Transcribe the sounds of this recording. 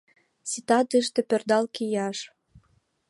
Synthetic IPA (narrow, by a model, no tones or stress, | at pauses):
sit̪ɑt̪əʃt̪ĕpørd̪ɑlkijɑʃ